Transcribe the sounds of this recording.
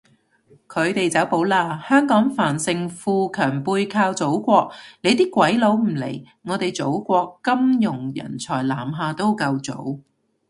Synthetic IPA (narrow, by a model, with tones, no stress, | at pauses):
kʰɵ˨˧ɥt̪e˨jt͡sɐ˨˥wpo˨˥wlaː˧hœː˥ŋkɔː˨˥ŋfaː˨˩nsɪ˨ŋfuː˧kʰœː˨˩ŋpuː˧jkʰaː˧wt͡so˨˥wkʷɔː˧k̚le˨˧jt̪iː˥kʷɐ˨˥jlo˨˧˥wm̩˨˩lḛ˨˩j | ŋɔː˨˧t̪e˨jt͡so˨˥wkʷɔː˧kːɐ˥mjʊ˨˩ŋjɐ̰˨˩nt͡sʰɔː˨˩jlaː˨˩mɦaː˨t̪o˥wkɐ˧wt͡so̰˨˥w